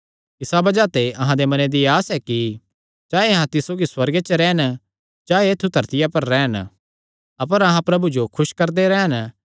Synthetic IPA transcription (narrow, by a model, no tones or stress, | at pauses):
ɪsabɐd͡ʒat̪eʔɐɦãd̪emɐ̃ned̪iaːsɛki | t͡ʃaːeɐɦãt̪ɪsoːɡiswɐɾɡet͡ʃɾɛːn | d͡ʒaːeeːt̪ʰːud̪ʱɐɾt̪ɪjapɐɾːɛːən | ɐpəɾɐɦãpɾɐbud͡ʒokʰʊʃkɐɾd̪eɾɛːən